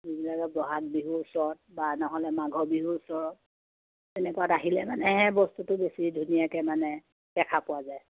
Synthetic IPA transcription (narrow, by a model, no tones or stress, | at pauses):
zibilakɔbɹɔɦat̚biɦusɔɔt̚banɔɦɔlɛmaɡʱɔbiɦusɔɹɔt̚ | tɛnɛkuataɦilɛmanɛɦɛbɔstutʊbesidʱunijakɛmanɛ | pɛkʰapʊwazaj